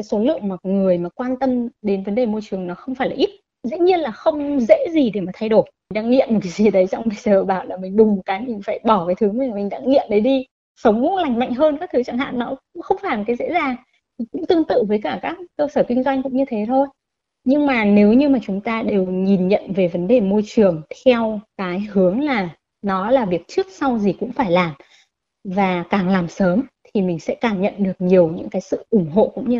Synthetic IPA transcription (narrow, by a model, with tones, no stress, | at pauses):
aː˨˦jso˨˦lɨ̰˧˨əŋmaː˨˩˨ŋɨ˨˩əjmaː˨˩kwaː˧nt̪ə˧mɗe˨˦nvə˨˦nɗe˨˩mo˧jt͡ɕɨ˨˩əŋnɔ˨˦xə˧wŋ͡mfaː˧˩jlaː˨˩ʔi˦˥t̚ | zḭ˧˥ɲi˧ənlaː˨˩xə˧wŋ͡mzḛ˧˥zi˨˩ɗe˧˩maː˨˩t̪ʰa˧jɗo˧˩jŋɗaː˧˥ŋḭ˧˨nmo˨˩t̚kaː˨˦zi˨˩˨ɗə˨˦jt͡ɕɔ˧wŋ͡mɓa˧˨˩jsəː˨˩ɓaː˧˩wlaː˨˩mï˨˩ŋ̟ɗʊ˨˩ŋ͡mkaː˨˦jmï̟˨˩faː˧˩jɓɔ˧˩kaː˨˦jt̪ʰɨ˨˦m˨˩˨mï˨˩ŋ̟ɗa̰ː˧˥ŋŋḭ˧˨ənɗə˨˦jɗi˧ | sə˨˦wŋ͡mla˨˧˩jŋ̟ma̰˧˨jŋ̟ɦəː˧nkaː˦˥t̪ʰɨ˨˦t͡ɕaː˧˩ŋɦa̰ː˧˨nːɔ˨˦ʊ˧˥ŋ͡mxə˧wŋ͡mfaː˧˩lt̚kaː˨˦jzḛ˧˥zaː˨˩ŋ | t̪ʰi˨˩kʊ̰˧˥ŋ͡mt̪ɨ˧əŋt̪ɨ̰˧˨vəː˨˦jkaː˧˩kaː˦˥kːəː˧səː˧˩kï˧ŋ̟zwa˧jŋ̟kʊ̰˧˥ŋ͡mɲɨ˧t̪ʰe˨˦t̪ʰo˧j | ɲɨ˧ŋmaː˨˩ne˨˦wɲɨ˧maː˨˩t͡ɕʊ˨˦ŋ͡mt̪aː˧ɗe˨˩wɲi˨˩nɲə̰˧˨nve˨˩və˨˦nɗe˨˩mo˧jt͡ɕɨ˨˩əŋt̪ʰɛ˧wkaː˨˦jhɨ˨˦əŋlaː˨˩ | nɔ˨˦laː˨˩vi˨˩ək̚t͡ɕɨ˦˥ək̚sa˧wzi˨˩kʊ̰˧˥ŋ͡mfaː˧˩jlaː˨˩m | vaː˨˩kaː˨˩ŋlaː˨˩msəː˨˦mt̪ʰi˨˩mï˨˩ŋ̟sɛ̰˧˥kaː˧˩ŋɲə̰˧˨nɗɨ˨˩ək̚ɲi˨˩əwɲɨ̰˧˥ŋkaː˨˦jsɨ̰˧˨ʔʊ˧˩ŋ͡mɦo̰˧˨kʊ̰˧˥ŋ͡mɲ˧